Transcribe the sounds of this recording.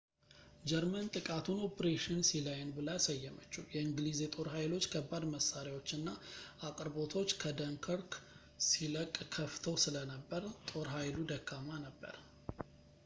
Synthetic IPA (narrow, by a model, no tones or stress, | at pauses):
d͡ʒɛɾmənt̪ʼɨkʼat̪ʰuno̞pɾeʃɪnsilajnbɨlajasəjːɛmət͡ʃːujɛɨŋɡlizet̪ʼo̞ɾɦajlo̞t͡ʃːkʰəbːad̪məsːaɾjwo̞t͡ʃːɨnːaʔakʼɨɾbo̞t̪ʰo̞t͡ʃːkʰəd̪əŋkʰəɾk | siləkʼːkʰəft̪ʰəwsɨlənəbːəɾt̪ʼo̞ɾɦajlud̪əkʰːamanəbːə̰ɾ